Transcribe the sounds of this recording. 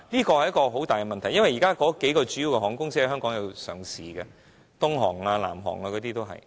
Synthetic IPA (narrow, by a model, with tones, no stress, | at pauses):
liː˥kɔː˧hɐ˨˩jɐ˥kːɔː˧ɦo˨˥wt̪aː˨jkɛ˧mɐ˨nt̪ʰjɐ˥nwɐ˨jːiː˨˩kaː˥kɔː˨˥ke˨˥jkɔː˧t͡ʃy˨˥ji˨˧wkɛ˧˩ɔː˨˩ŋkʊ˥ŋsɪ˥˨˥hœː˥ŋkɔː˨˥ŋjɐ˨˧wsœ̰ː˨˩ŋsiː˨˩ɡɛ˧ | t̪ʊ˥ŋɦɔ̰ː˨˩ŋlaː˧la̰ː˨˩mɦɔ̰ː˨˩ŋaː˧kɔː˨˥t̪iː˥t̪o˥wɦɐ̰˨j